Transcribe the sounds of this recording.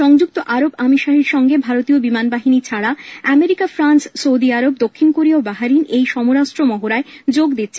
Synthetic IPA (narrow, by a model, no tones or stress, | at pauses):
ʃɔŋd͡ʑuk̚t̪oʔaɾobamiʃaɦiɾʃɔŋɡebʱaɾot̪iobimanbaɦinit͡ɕʰaɽaɛmeɾikafɾanssowd̪iaɾobd̪okʰːinkoɾiaobaɦaɾinejʃɔmoɾaʃʈɾomɔɦoɾaed͡ʑoɡd̪it̪ːɕʰe